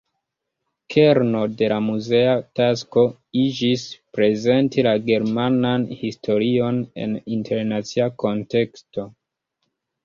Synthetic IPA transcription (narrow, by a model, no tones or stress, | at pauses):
kʰe̞ɾno̞de̞lamuze̞atasko̞ | id͡ʒispɾe̞ze̞ntilaɡe̞ɾmananhistʰo̞ɾio̞ne̞̰nintʰe̞ɾnat͡siako̞nte̞ksto̞